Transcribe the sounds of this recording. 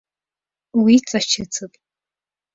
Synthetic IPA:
wit͡sʼat͡ʃʰɐt͡sʰɨpʼ

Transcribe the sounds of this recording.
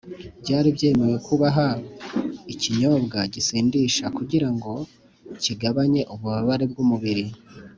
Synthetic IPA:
bɟaːɾibɟe̞ːme̞jwe̞kʰuβaɦa | iciɲo̞bɡaɟisiːndiʃakuɟiɾaŋɡo̞ | ciɡaβaɲe̞ʔuβuβaβaɾe̞bɡumuβiɾi

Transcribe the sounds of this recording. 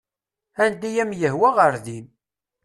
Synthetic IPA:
ænd̪æjæmjəɦwæʁəɾðin

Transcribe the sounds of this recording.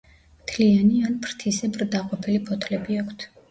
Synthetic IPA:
mt̪ʰlianianpʰɾt̪ʰisɛbɾd̪aqʼɔpʰɛlipʰɔt̪ʰlɛbiakʰt̪ʰ

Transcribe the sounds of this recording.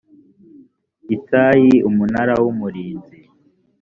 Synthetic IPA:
itaːjiumunaɾawumuɾiːnzi

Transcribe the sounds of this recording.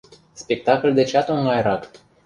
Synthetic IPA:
spek̚t̪akold̪et͡ʃat̪oŋɡajɾak

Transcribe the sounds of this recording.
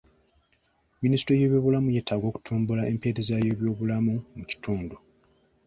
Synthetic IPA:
ministoje̞ːβjo̞ːβulamuje̞ːtʰːaɡo̞ːku̥tʰuːmbulae̞mpe̞ːɾe̞zaje̞ːβjo̞ːβulamumuci̥tuːndu

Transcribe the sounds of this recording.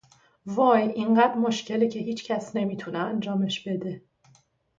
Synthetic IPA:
vɒːjʔiɴɢæːd̪mo̞ʃcʰe̞lecʰe̞ɦiːt͡ʃʰcʰæsne̞miːt̪ʰuneænd͡ʒɒːmeʃb̥e̞d̪e̞

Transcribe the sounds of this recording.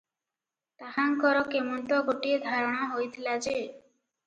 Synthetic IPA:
t̪aɦaŋkɔɾɔkemɔnt̪ɔɡoʈid̪ʱaɾɔɽ̃aɦojt̪ʰilad͡ʒe

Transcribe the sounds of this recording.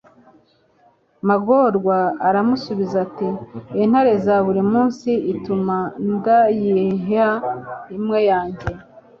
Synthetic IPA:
maɡoɾɡwaːɾamusuβizatiin̥haɾe̞zaβuɾimuːnsiʔitumandajiɦaimŋe̞jaːɲɟe̞

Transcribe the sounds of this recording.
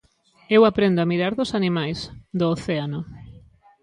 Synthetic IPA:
ewapɾend̪oamiɾaɾðosanimajsd̪oːθeano

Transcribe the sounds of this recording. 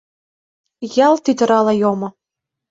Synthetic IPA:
jɑlt̪yd̪ə̆ɾɑlɑjomɤ̆

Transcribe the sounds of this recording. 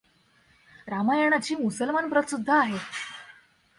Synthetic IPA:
ɾamajaɳ̃at͡ɕiːmusəlmanpɾət̪sud̪ʱːaːɦe

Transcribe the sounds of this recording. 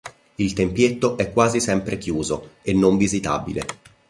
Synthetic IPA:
ilt̪empjet̪ːoʔɛkːwaːzisɛmpɾekjuːzoenːoɱvizit̪a̰ːbḭle

